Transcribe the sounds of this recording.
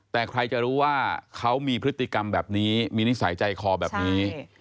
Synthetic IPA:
t̪ɛː˨˩kʰɾa˧jt͡ɕa˨˩ɾuː˦˥waː˥˩kʰa˦˥wmiː˧pʰɾɯ˦˥t̪ʰːi˨˩ka˧mbɛː˨˩p̚niː˦˥miː˧ni˦˥sa˩˦jt͡ɕa˧jkʰɔː˧bɛː˨˩p̚niː˦˥

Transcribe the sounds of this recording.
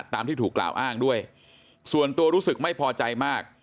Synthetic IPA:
t̪ːaː˧mt̪ʰiː˥˩t̪uː˨˩kla̰ː˨˩wʔaː˥˩ŋdu˥˩əj | su˨˩ənt̪u˧ɐɾuː˦˥sɯ˨˩k̚ma˥˩jpʰɔː˧t͡ɕa˧jmaː˥˩k̚

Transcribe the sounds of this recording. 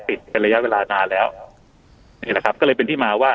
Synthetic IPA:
pi˨˩t̪̚pe˧nɾa˧ja˦˥ʔweː˧laː˧naː˧lɛː˦˥w | niː˥˩lɛ˨˩kʰa˦˥p̚kɔː˥˩lɤː˧jpe˧nt̪ʰiː˥˩maː˧waː˥˩

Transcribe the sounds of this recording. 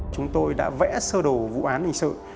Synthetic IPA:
t͡ɕʊ˨˦ŋ͡mt̪o˧jɗa̰ː˧˥vɛ̰˧˥səː˧ɗo˨˩vṵ˧˨ʔaː˨˦nʔi˨˧˩ŋ̟sə̰ː˧˨n

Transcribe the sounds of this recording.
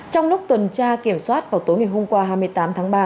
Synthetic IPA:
t͡ɕɔ˧wŋ͡mlʊ˦˥k͡p̚t̪wə˨˩nt͡ɕaː˧ki˧˩əmswaː˦˥t̚vaː˨˩wt̪o˨˦jŋa˨˩jɦʊ˧mkwaː˧ɦaː˧jm˧əjt̪aː˨˦mt̪ʰaː˨˦ŋɓaː˧

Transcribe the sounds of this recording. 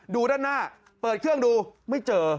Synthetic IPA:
duː˧daː˥˩nːaː˥˩ | pɤː˨˩t̪̚kʰɯ˥˩əŋduː˧ma˥˩jt͡ɕɤː˧

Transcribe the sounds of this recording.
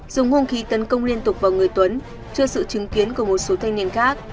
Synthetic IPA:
z̥ʊ˨˦ŋ͡mho˧nxi˨˦t̪ə˨˦nkə˧wŋ͡mli˧ənt̪ʊ˨˩k͡p̚vaː˨˩wŋɨ˨˩əjt̪wə˨˦n | t͡ɕɨ˧əsɨ̰˧˨t͡ɕɨ˨˦ŋki˨˦ənku˧˩əmo˨˩t̚so˨˦t̪ʰa˧jŋ̟ni˧˩ənxaː˦˥k̚

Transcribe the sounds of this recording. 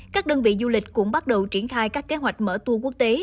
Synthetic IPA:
kaː˦˥k̚ɗəː˧nvḭ˧˨zu˧lï˨˩k̟̚kʊ̰˧˥ŋ͡mɓa˦˥t̚ɗə˨˩wt͡ɕi˧˩ənxaː˧jkaː˦˥kːe˨˦ɦwa˨˩jk̟̚mə̰ː˧˩t̪u˧əku˦˥ək̚t̪e˨˦

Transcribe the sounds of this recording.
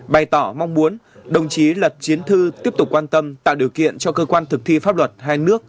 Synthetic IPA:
ɓa˨˩jt̪ɔ˧˩ma˧wŋ͡mmu˨˦ən | ɗə˨˩wŋ͡mt͡ɕi˨˦lə˨˩t̚t͡ɕi˨˦ənt̪ʰɨ˧t̪i˦˥əp̚t̪k͡pkːwaː˧nt̪ə˧mt̪a̰ː˧˨wɗi˨˩əwkḭ˧˨ənt͡ɕɔ˧kəː˧kwaː˧nt̪ʰɨ˨˩k̚t̪ʰi˧faː˦˥p̚lwə˨˩t̚ɦaː˧jnɨ˦˥ək̚

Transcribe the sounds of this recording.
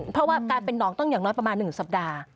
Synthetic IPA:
pʰɾɔ˦˥waː˥˩kaː˧npe˧nːɔː˩˦ŋt̪ɔ˥˩ŋjaː˨˩ŋnɔː˦˥jpɾa˧maː˧nːɯ˨˩ŋsa˨˩p̚daː˧

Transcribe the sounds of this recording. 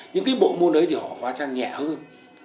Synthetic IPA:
ɲɨ̰˧˥ŋkaː˨˦jɓo̰˧˨mu˧ənə˨˦jt̪i˨˩hɔ̰˧˨˩kwaː˨˦t͡ɕaː˧ŋɲɛ̰˧˩həː˧n

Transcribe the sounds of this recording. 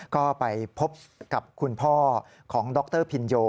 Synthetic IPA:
kɔː˥˩pa˧jpʰo˦˥p̚ka˨˩p̚kʰu˧npʰɔː˥˩ | kʰɔː˩˦ŋdɔ˦˥k̚t̪ɤː˥˩pʰi˧njoː˧

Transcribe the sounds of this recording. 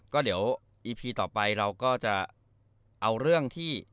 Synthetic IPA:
kɔː˥˩di˩˦əw | ʔiː˧pʰiː˧t̪ɔː˨˩pa˧jɾa˧wkɔː˥˩t͡ɕa˨˩ | ʔa˧wɾɯ˥˩əŋt̪ʰiː˥˩

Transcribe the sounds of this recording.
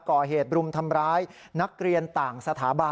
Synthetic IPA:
kɔː˨˩ɦeː˨˩t̪̚ɾu˧mt̪ʰa˧mɾaː˦˥j | na˦˥k̚ɾi˧ənt̪aː˨˩ŋsa˧t̪ʰaː˩˦ba˧

